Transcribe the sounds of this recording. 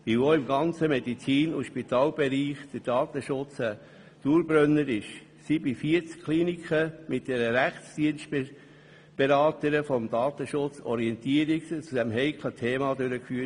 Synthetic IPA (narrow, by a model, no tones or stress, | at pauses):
ʋioɪmɡɑnt͡səmɛd̪it͡siːnʊʃpit̪ɑːlb̥ɛɾiːχd̥̪əd̥ɑːt̪əʃʊt͡sə | d̥uːɾb̥ɾœnːəɾɪʃ | sibifiət͡skʰliːnikχəmɪt̚d̥ɛɾəɾæχtsd̥iənstb | b̥eɾɑːt̪əɾəfɔmd̥̪ɑːt̪əʃʊt͡sɔ̰ɾiɛnt̪iəɾikst͡sud̥̪ɛmɦɛɪkʰlətʰeːmɑd̪øɾəkfyə